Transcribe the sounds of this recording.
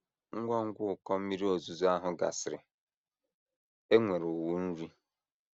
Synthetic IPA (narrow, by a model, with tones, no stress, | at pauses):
ŋ̩˦ɡʷɔ˦ŋ̩˦ɡʷʊ˦ʊ˨kɔ˦m̩˦mi˦ɾi˦o˨zu˨zu˦a˦ɦʊ˦ɡa̰˨sɪ˨ɾɪ˨ | e˦ŋʷe˨ɾʊ˨wu˦n̩˦ɾi˦